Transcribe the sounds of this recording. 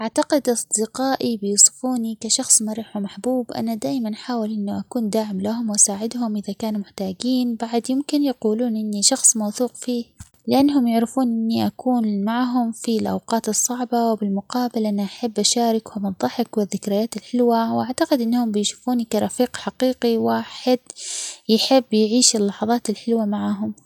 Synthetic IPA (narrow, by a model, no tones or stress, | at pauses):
ʔaʕt̪aqɪd̪ʔɑsˤd̪ɪqɑːʔibɪjuːsˤɨ̥fuːnikaʃɑxsˤmaɾˤiːħamaħbuːbʔa̰nːad̪aːjmanħaːwɪlʔɪnːuʔakuːnd̪aːʕɪmlaɦʊmwʔasaːʕɪd̪hʊmʔɪðakaːnumʊħt̪aːɡiːnbaʕd̪jɪmkɪnjaquːluːnʔɪnːiʃɑxsˤmɑwθuːqfiː | lɪʔanːɦʊmjʊʕɾɪfuːnʔɪnːiʔakuːnmaʕɦʊmfilʔa̰wqɑːt̪ɨsˤːɑʕbɑwɪbɪlmʊqɑːbɪlʔɪnːaʔaħabːʔaʃaːɾɪkhʊmʔɨðˤɑħɪkwɪðːɪkɾɪjaːt̪ɪlħɪlwawʔaʕt̪aqɪd̪ʔɪnːhʊmbɪjʃu̥fuːnkaɾˤɑfiːqħaqiːqiwaːħɪd̪̥jɪħɪbːjʕiːʃɪlːɑħɑðˤɑːt̪ɪlħɪlwamaʕaɦʊm